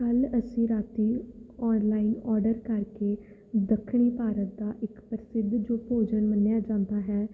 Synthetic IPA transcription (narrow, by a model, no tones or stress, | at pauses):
kələsĩːɾaːt̪iːɔːnlaːinɔːɾɖəɾkəɾkeː | d̪əkʰːɳ̃iːpaːɾət̪̚d̪aːʔɪkpəɾɪsɪd̪d͡ʒoːpoːd͡ʒənmənːjaːd͡ʒãːnd̪aːɦɛː